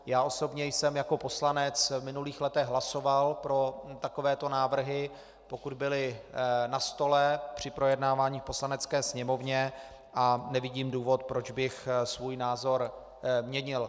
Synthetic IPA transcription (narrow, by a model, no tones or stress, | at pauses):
jaːʔo̞so̞bɲɛjsɛmjako̞po̞slanɛt͡svmɪnuliːxlɛt̪ɛɣɦlaso̞valpɾo̞t̪ako̞vɛːt̪o̞naːvr̩ɦɪ | po̞kud̪bɪlɪnast̪o̞lɛpr̝̥ɪpɾo̞jɛdnaːvaːɲiːfpo̞slanɛt͡skɛːsɲɛmo̞vɲɛ | ʔanɛvɪɟiːmduːvo̞t̪̚pɾo̞d͡ʒbɪxsvuːjnaːzo̞ɾ | mɲɛɲɪl